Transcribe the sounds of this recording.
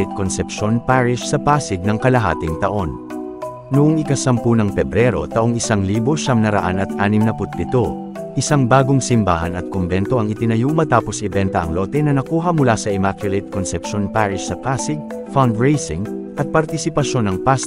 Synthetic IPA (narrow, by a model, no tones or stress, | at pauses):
t̪̚konsɛpʃo̞npaɹɪʃsɐpasɪɡ̚nɐŋkɐlɐɦa̰ːt̪ɪŋt̪ɐʔo̞n | nʊʔoŋɪkɐsɐmpunɐŋpɛbɾɛɾo̞̰t̪ɐʔoŋɪsaŋliːboʃɐŋnɐɾɐ̰ʔanɐt̪̚ʔaːnɪmnɐpʊt̪̚pɪt̪o̞ | ʔɪsaŋbaːɡoŋsɪmba̰ːhɐnɐt̪̚kombɛnt̪o̞ʔɐŋɪt̪ɪnɐjumɐt̪aːpo̞sʔɪbɛnt̪ɐʔɐŋlot̪ɛnɐnɐkuːɦɐmʊlasɐʔɛmakʊlɪt̪̚konsɛpʃonpaɹɪʃsɐpasɪɡ̚ | fand̪ɹejsɪŋʔɐt̪̚pɐɾt̪ɪsɪpɐʃo̞nːɐŋpas